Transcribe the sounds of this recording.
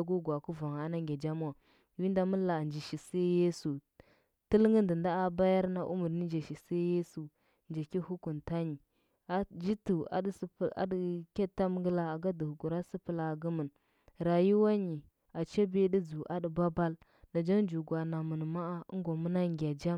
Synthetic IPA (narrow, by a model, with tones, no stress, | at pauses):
a˨ɡu˦ɡʷa˨ku˦va˨ŋ˨a˦na˦ŋɡʲa˨d͡ʒa˦m˦wa˨ | ji˦nda˨mə˦la˨nd͡ʒi˨ʃi˨se˦je˦su˨ | tə˦lŋə˦ndə˨nda˦a˨ba˦ja˦ɾna˦ʔṵ˦mu˨ɾni˦d͡ʒa˨ʃi˨se˦je˦su˨ | nd͡ʒa˨ki˦hu˦ku˨nta˦ɲi˨ | a˨d͡ʒi˦tu˨a̰˨dsa̰˨dkʲe˦tːa˦m˦ɡə˦la˦a˨ɡa˦du˨hu˨ɡu˨ɾa˦si˦pə˨la˨ɡu˦mə˨n | ɾa˨ji˦wa˦ɲi˨ | a˨t͡ʃa˦bi˦di˦d͡zu˨ʔa˨di˨ba˦ba˦l | na˨d͡ʒa˦ŋd͡ʒu˨ɡwa˨na˨mə˨n˨ma˦a̰˦ŋɡo˨mu˦na˦ŋɡʲa˨d͡ʒa˦